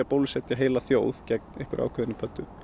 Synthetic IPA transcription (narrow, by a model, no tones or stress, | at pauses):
apoːwlsɛt̪jaɦeːjlaθjoːwð̥cɛk̚nɛhkʏɾʔa̰wkʰœðɪnɪpʰœt̪ːʏ